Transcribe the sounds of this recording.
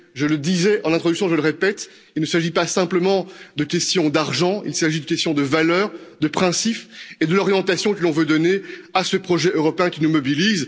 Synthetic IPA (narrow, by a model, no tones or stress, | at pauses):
ʒələd̪izɛʔɑ̃nɛ̃t̪χɔd̪yksjɔ̃ʒələʁepɛt̪ | ilnəsaʒipasɛ̃pləmɑ̃d̪əkʲɛst̪jɔ̃d̪aʁʒɑ̃ḭlsaʒid̪ykʲɛst̪jɔ̃d̪əvalœːʁd̪əpχɛ̃siped̪əlɔʁjɑ̃t̪asjɔ̃kəlɔ̃vød̪ɔneasəpχɔʒɛʔøʁɔpeɛ̃kʲinumɔbiliz